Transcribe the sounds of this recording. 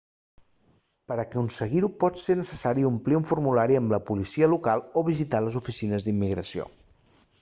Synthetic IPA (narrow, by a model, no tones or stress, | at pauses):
pəɾəkunsəɣiɾupɔt̪senəsəsaɾiumpliuɱfuɾmulaɾiəmləpulisiəlukalˠoβ̞izit̪aləzufisinəzd̪imːiɣɾəsio̰